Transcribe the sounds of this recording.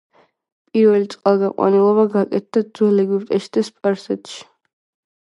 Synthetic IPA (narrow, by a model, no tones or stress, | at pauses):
pʼiɾvɛlit̪sʼqʼalˠɡaqʼwa̰nilˠɔβaɡakʼɛt̪̚ʰd̪̥ad̪zwɛlɛɡiɾt̪ʼɛʃi̥d̪̥aspʼaɾsɛt̪ʃi̥